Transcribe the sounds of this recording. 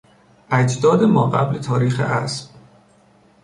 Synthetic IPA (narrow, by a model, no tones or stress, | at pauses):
ʔæd͡ʒd̪ɒːd̪emɒːɣæ̰blet̪ʰɒːɾiːxḛʔæ̰sb̥